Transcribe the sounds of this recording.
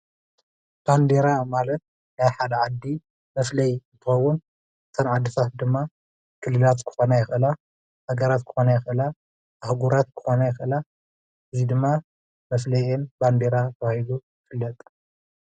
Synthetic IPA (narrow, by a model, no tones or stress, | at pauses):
b̥and̪eɾamalɐt̪̚ | najħad̪ɐʕad̪ːi | mɐflɐjnt̪ʰɨxɐwːun | ɨt̪ʰɐnʕad̪ɨt̪ʰat̪̚d̪ɨmːa | kʰɨlːɨlat̪kʰɨ̥xo̞najɪxʔɨla | haɡɐɾat̪kʰɨ̥xo̞najɪxʔɨlaː | hɡuɾat̪kʰɨ̥xo̞najɪxʔɨla | ʔɨzid̪ɨmːa | mɐflɐjɛnband̪eɾak̪ʰɐwahid̪ujɪfɨlːɐt̪ʼ